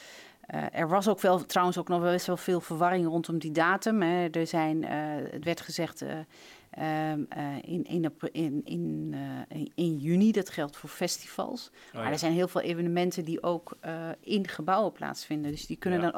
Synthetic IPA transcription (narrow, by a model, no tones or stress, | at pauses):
ə̰ʔɛ̰ɹʋɑsowkʋɛlˠtrawənsowknɔχʋɛlˠbɛstʋɛlˠvɪːlˠvəɹʋɑrɪŋrɔntɔmdidaːtəmɦɛdəɹzɛjnə̰tʋɛɹtχəzɛχt | ɪnɪnpɪ̰n | ɪnjynidɑtχɛlˠtfʊːɹfɛstiv̥ɑ̰lˠs | maɹdɛɹzɛjnɦɪːlˠveːlˠʔevənəmɛntədiʔowkɪnχəbawəpla̰ːtsfɪndəndɵsdikønəndɔn